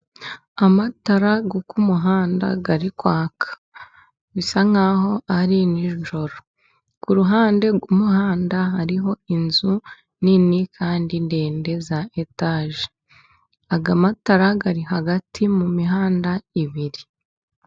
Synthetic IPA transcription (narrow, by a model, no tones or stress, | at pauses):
amataɾaɡokumuɦaːnda̰ɡaɾikwaːkʰḁ | βisaŋaho̞ʔaɾiniʒuʒo̞ɾo | kuɾuɦaːnde̞ɡumuhaːndaɦaɾiɦo̞inzu | ninikʰaːndindeːnde̞zaetaːʒe | aɡamataɾaɡaɾiɦaɡatʰimumiɦaːndaiβiɾi